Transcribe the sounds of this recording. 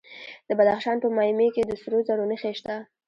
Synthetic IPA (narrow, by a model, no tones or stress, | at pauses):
d̪əbad̪axʃɑnpəmɑimeked̪əsəɾozaɽonəxeʃt̪a